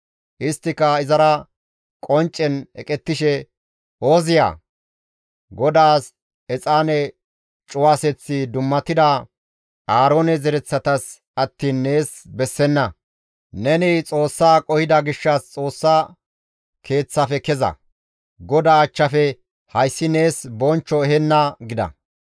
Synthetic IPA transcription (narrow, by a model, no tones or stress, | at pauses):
ʔɪst̪ːɪkɐɪzɐɾɐ | kʼɔnt͡ʃʼːɛnɛ̰kʼɛt̪ːɪʃɛ | o̞ːzɪja̰ː | ɡɔd̪aːs | ɛt͡sʼaːnɛ | t͡ʃʼʊwaːsɛt͡sːɪd̪ʊmːɐt̪ːɪd̪ɐ | aːɾo̞ːnɛzɛɾɛt͡sːɐt̪ɐs | ɐt̪ːiːnːe̞ːsbɛsːɛnːɐ | nɛnɪt͡sʼo̞ːsːaːkʼɔhɪd̪ɐɡɪʃːɐst͡sʼo̞ːsːa | kʰe̞ːt͡sːɐfɛkɛzɐ̰ | ɡɔd̪aːt͡ʃːɐfɛ | hɐjsːɪne̞ːsbɔnt͡ʃːɔɛɦɛnːɐɡɪd̪ɐ̰